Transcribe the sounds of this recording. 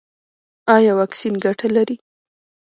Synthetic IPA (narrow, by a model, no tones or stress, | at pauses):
ɑjɑwɑksinɡaʈʰalaɾi